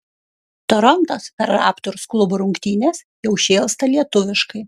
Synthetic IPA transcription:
t̪ɔɾɔnt̪ospʲɛɾɑ̰ːpt̪ʊɾsklˠʊbʊɾʊŋʲkt̪ʲiːnʲes | jɛʊʃʲeːlˠst̪ɐlʲiɛt̪ʊʋʲɪʃkɐɪ

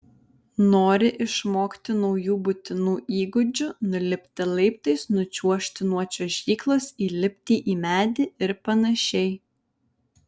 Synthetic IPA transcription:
noːɾʲɪʔɪʃmoːkt̪ʲɪnɔʊjuːbʊt̪ʲɪnuːʔiːɡʊd͡ʒʲʊnʊlʲɪpʲt̪ʲɪlˠɐɪpt̪ɐɪsnʊt͡ʃʲuɔʃʲt̪ʲɪnuɔt͡ʃʲoːʒʲiːklˠoːsiːlʲɪpʲt̪ʲiːʔiːmʲæːd̪ʲɪɪɾpɐnɐʃʲɛɪ

